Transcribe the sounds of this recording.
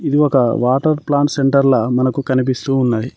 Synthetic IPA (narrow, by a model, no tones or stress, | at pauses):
id̪iɔkɐʋaːʈɐɾplaːɳse̞ɳʈɐɾlɐmɐnɐkukɐnip̬ist̪uːnːaːji